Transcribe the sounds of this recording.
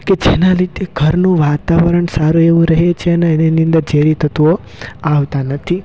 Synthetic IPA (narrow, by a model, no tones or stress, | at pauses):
ked͡ʒenaɾit̪eɡʱəɾnũʋat̪aʋəɾəɳsaɾueʋũɾəɦet͡ʃʰeəneːninĩə̃nd̪əd͡ʒeɾit̪ʰət̪uo | aʋt̪anət̪ʰi